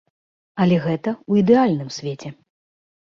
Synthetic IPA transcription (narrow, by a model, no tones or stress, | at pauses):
ɐlʲɛɣɛt̪ɐuid̪ɛalʲnɨmsʲvʲet͡sʲɛ